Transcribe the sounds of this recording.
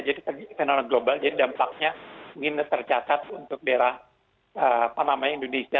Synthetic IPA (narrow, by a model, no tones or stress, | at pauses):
d͡ʒadit̪ərfenomɛnɡlobald͡ʒadidampak̚ɲaŋɪnt̪ərt͡ʃat̪at̪̚unt̪ʊk̚deɾah | ʔəːpanamajindonesia